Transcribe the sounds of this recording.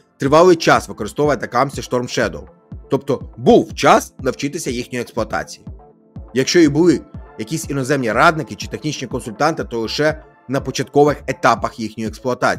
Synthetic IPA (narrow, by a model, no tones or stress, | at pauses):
t̪ɾɪʋɑlˠɪjt͡ʃɑsʋɪkɔɾɪst̪ɔʋɐɐt̪ɐkɑmsʲɐʃt̪ɔrmʃɛd̪ɔ̰lˠ | t̪ɔp̚t̪ɔbuwt͡ʃɑsnɐwt͡ʃɪt̪ɪsʲɐjixnʲojeksplˠʊɐt̪ɑ̰t͡sʲiji | jɐkʃt͡ʃɔibʊlˠɪjɐkʲisʲinɔzɛmnʲiɾɑd̪nɪkɪt͡ʃɪ̥t̪exnʲit͡ʃnʲikɔnsʊlʲt̪ɑnt̪ɪt̪ɔlˠɪʃɛ | nɐpɔt͡ʃɐt̪kɔʋɪxet̪ɑpɐxjixnʲjieksplˠʊɐt̪ɑ̰t͡sʲ